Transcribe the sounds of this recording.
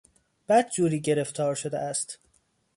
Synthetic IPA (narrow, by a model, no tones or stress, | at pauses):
b̥æd̪̚d͡ʒuːɾiːɟe̞ɾe̞ft̪ʰɒːɾʃod̪ḛæst̪